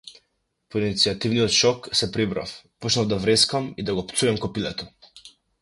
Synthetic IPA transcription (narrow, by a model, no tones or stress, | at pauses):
pɔinit̪siat̪ivnijɔt̪ʃɔksɛpɾibɾa̰fpɔt͡ʃnavd̪avɾɛskamid̪aɡɔpt̪suɛmkɔpilɛt̪ɔ